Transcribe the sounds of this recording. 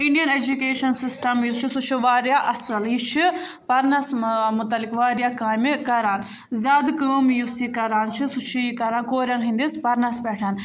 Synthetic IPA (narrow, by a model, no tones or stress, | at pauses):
iɳɖijɐned͡ʒukeːʃɐnsisʈɐmjust͡ʃʰisut͡ʃʰiʋaːɾjaːʔɐsɐlɦit͡ʃʰi | pɐɾnɐsmʊt̪ɐlːikʋaːɾjaːkaːjmkɐɾaːn | zʲaːd̪kəːmjusikɐɾaːnt͡ʃʰisut͡ʃʰiikɐɾaːnkoːɾjaːnɦĩnd̪ispɐɾnɐsbɛːʈʰaːn